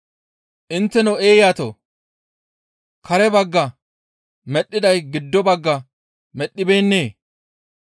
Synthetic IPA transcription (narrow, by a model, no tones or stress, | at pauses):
ʔɪnt̪ːɛnɔeːjaːt̪o̰ | kʰɐɾɛbɐɡːɐ | mɛɗːɪd̪ɐjɡɪd̪ːɔbɐɡːɐ | mɛɗːɪbe̞ːnːeː